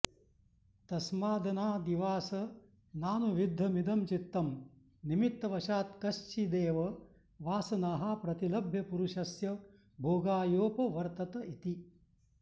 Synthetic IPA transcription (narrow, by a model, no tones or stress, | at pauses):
t̪ɐsmaːd̪ɐnaːd̪iʋaːsɐ | naːnuʋid̪ʱːɐmid̪ʱɐmt͡ʃit̪ːɐm | nimit̪ːɐʋɐʃaːt̪kɐʃt͡ʃid̪eːʋɐ | ʋaːsɐnaːɦɐpɾɐt̪ilɐbʱjɐpuɾuʃɐsjɐ | bʱoːɡaːjoːpɐʋɐɾt̪ɐt̪ɐit̪i